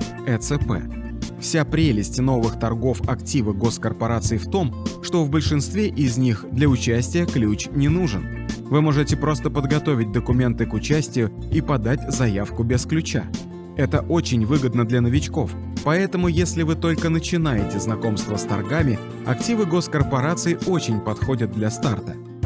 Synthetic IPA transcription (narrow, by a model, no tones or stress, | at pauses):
ɛt̪sɛpɛ̰ | fsʲapɾʲelʲɪsʲtʲno̞vɨxt̪ɐrɡo̞fɐktʲivɨɡo̞skərpɐɾat̪sɨɪft̪o̞mʂt̪o̞vbəlʲʂɨnst̪vʲeʔɪzʲnʲixd̪lʲɐʊt͡ɕæsʲtʲɪjəklʲut͡ɕnʲɪnuʐɨn | vɨmo̞ʐɨtʲɪpɾo̞st̪əpəd̪ɡɐt̪o̞vʲɪt̚ʲd̪əkʊmʲe̞nt̪ɨkʊt͡ɕæsʲtʲɪjʊ | ipɐd̪atʲzɐjafkʊbʲɪsklʲʉt͡ɕa | ɛt̪əʔo̞t͡ɕɪnʲvɨɡəd̪nəd̪lʲɐnəvʲɪt͡ɕko̞f | pɐɛt̪əmʊjesʲlʲɪvɨt̪o̞lʲkənət͡ɕɪnajɪtʲɪznɐko̞mst̪vəst̪ɐ̰rɡamʲɪ | ɐ̰ktʲivɨɡo̞skərpɐɾat̪sɨɪʔo̞t͡ɕɪnʲpɐt̪xo̞dʲəd̪̚d̪lʲɐst̪art̪ə̥